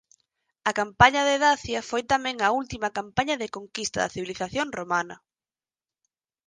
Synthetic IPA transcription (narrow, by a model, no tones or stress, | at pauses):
ɐkampaɲɐðeðaθjɐfojt̪amɛ̃ŋɐult̪imɐkampaɲɐðekoŋkist̪ɐðɐ̰θiβiliθaθjoŋromanɐ